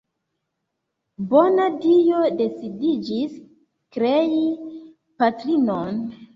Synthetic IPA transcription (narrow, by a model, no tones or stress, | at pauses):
bonadijode̞sidid͡ʒis | kɾei | patɾinon